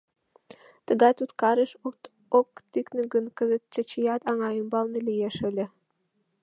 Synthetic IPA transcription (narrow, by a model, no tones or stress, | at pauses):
t̪ə̆ɡɑt̪ut̪kɑɾeʃ | okt̪yknɘ̆ɡə̆nkə̆zə̆t̪̚t͡ɕət͡ɕijɑt̪ɑŋɑjɤmbɑlˠnə̆lʲejeʃɘ̆lʲɘ̆